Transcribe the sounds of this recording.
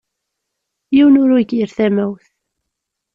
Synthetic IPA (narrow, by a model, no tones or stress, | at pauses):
jiwnʊɾuɡiɾθæmæwθ